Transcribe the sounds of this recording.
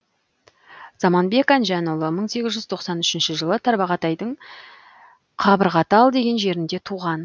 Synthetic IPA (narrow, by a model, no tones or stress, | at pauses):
z̥ɑmɑnbe̞kɑnʒænulˠəməɴse̞ɡʲɪzʒʏzt̪ʰo̞qsɑnʏʃɪnʃɪʒəlˠət̪ʰɑɾbɑʁɑt̪ɑjd̪əɴ | qʰɑbəɾʁɑt̪əɑlˠd̪e̞ɡʲe̞nʒe̞ɾɪnd̪e̞t̪ʰuʁɑn